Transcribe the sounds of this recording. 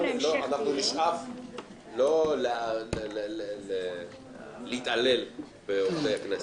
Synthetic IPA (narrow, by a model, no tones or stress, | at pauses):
loanaχnuniʃʔaf | lole | ee | leit̪ʔalel | beot̪ejaknas